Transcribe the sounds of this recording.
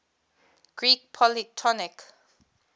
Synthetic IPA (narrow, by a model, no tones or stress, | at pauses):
ɡ̥ɹik̚pʰɔlitʰɔnik